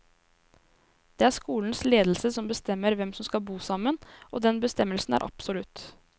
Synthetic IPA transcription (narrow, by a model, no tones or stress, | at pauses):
d̪̥ɛːæʂkuːln̩sleːd̪l̩səsɔmbəst̪ɛmːəɾʋɛmsɔmskɑlbuːsɑmːənʔoːd̪ɛnbəst̪ɛmːəlsn̩æ̰ːɾʔɑ̰psɔlʉt̪